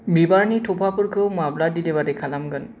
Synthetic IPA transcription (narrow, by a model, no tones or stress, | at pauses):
bibaɹniʈʰopʰapuɾkʰɯwmabladilebadekʰalamɡən